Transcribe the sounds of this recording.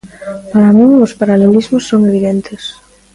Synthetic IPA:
paɾamĩŋʊspaɾalelizmʊsːoŋeβiðent̪ʰɪs

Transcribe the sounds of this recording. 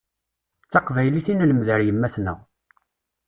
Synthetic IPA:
t͡sːɑqvæjliθinæləmðəɾjəmːæθnæ̰

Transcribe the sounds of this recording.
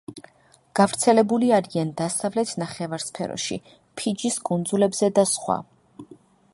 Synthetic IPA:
ɡ̥avɾt̪sʰɛlɛbuliaɾiand̪asavlɛt̪ʰnaχɛvaɾspʰɛ̰ɾɔ̰ʃḭ | pʰid͡ʒiskʼund̪zulɛbz̥ɛd̪asχwa̰

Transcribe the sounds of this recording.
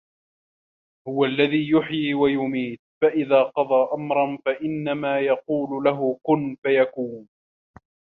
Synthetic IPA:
hʊwalːaðiːjʊħjiːwajʊmiːt̪̚faʔɪðaːqɑd̪ˤɑːʔamɾˤɑnfaʔɪnːamaːjɑquːlʊlaɦʊkʊnfajakuːn

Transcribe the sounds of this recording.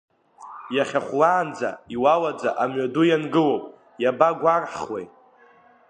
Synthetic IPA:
jaχʲaχʷlaːnd͡za̰iwalad͡za̰ʔamɥadujanɡɨlowpʼ | jabaɡʷarħwḛj

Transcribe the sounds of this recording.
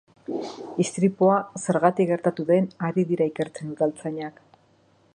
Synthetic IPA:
ist̪ɾipoase̞ɾɣat̪ikɡe̞ɾt̪at̪uðe̞naɾiðiɾaike̞ɾt͡se̞nuðalt͡saɲak

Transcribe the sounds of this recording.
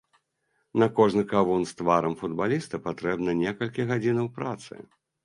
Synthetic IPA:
nɐkɔʐnɨkavunst̪vaɾɐmfud̪balʲist̪ɐpat̪ɾɛbnɐnʲɛkɐlʲkʲiɣad͡zʲinɐwpɾat̪sɨ̰

